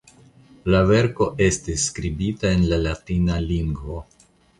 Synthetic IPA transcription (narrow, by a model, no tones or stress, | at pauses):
lave̞ɾko̞ʔe̞stisːkɾibitae̞nlalatinaliŋɡvo̞